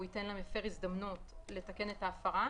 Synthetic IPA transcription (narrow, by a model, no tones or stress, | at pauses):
itenlamjafeʁizd̪amnutle̞take̞netaːfaʁa